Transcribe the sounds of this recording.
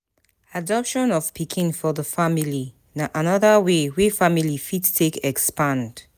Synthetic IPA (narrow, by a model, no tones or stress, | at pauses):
adɔpʃɔ̃nɔv̥pʰikʰĩnfɔðəfamili | naʔanɔðəwewefamilifidtʰekɛkspãnd̥